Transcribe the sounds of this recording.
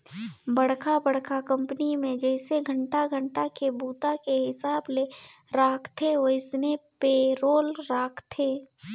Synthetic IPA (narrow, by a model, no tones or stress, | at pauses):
bɐɽ̤kʰabɐɽ̤kʰakɐ̃mpənimẽd͡ʒɛːseɡʱə̃ɳʈaɡʱə̃ɳʈakebuːt̪akeɦɪsaːble | ɾaːkʰt̪ʰeəɪsnepeːɾoːlɾaːkʰt̪ʰeː